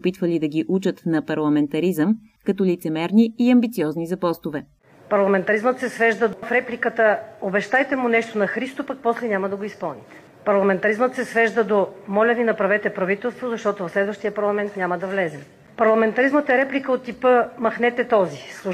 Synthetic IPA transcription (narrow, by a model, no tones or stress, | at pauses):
opit̪vɐlid̪ɐɡʲiʔut͡ʃət̪nɐpɐɾlˠɐmɛnt̪ɐɾizəm | kɐt̪ɔlit̪sɛmɛɾniːɐmbit̪siɔznizɐpɔst̪ʊvɛ | pɐɾlˠɐmɛnt̪ɐɾizmət̪sɛsvɛʒd̪əd̪ofɾɛplʲikət̪əobɛʃt̪ajt̪ɛmʊnɛʃt̪onɐxɾist̪opak̚pɔslɛnʲamɐd̪ɐɡoispɤlˠnit̪ɛ̥ | pɐɾlˠɐmɛnt̪ɐɾizmət̪sɛsvɛʒd̪əd̪omɔlʲɐvinɐpɾɐvɛt̪ɛpɾɐvit̪ɛlˠst̪vozɐʃt̪ɔt̪ovɐfslɛd̪vəʃt̪ijəpɐɾlˠɐmɛnt̪nʲaməd̪ɐvlɛzɛ | pɐɾlˠɐmɛnt̪ɐɾizmət̪ɛɾɛplʲikəot̪ːipəmɐxnɛt̪ɛt̪ɔzislˠu